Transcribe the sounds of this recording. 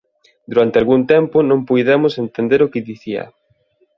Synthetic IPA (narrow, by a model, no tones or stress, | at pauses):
d̪uɾant̪ealɣuŋt̪ɛmpʊnõŋpujðɛmʊsent̪end̪eɾʊkɪðiθiɐ̰